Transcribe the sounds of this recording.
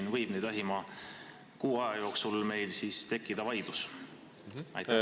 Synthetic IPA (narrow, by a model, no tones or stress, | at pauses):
nvɤjb̥ned̪̥ɑɦimɑ | kuːɑjɑjo̞ːksulme̞jlsiːst̪e̞kːˑid̪̥ɑvɑjd̪̥lus | ɑ̰jt̪ːæ